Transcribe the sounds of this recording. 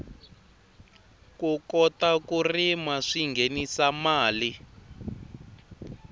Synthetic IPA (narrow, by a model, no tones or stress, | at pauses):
kukɔtakurimaʂiŋɡʱenisamaːli